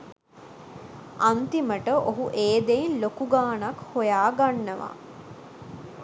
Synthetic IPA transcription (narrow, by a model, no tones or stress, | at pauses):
ant̪iməʈəʔoɦuʔeːd̪einlokuɡaːnakhojaːɡanːəʋa̰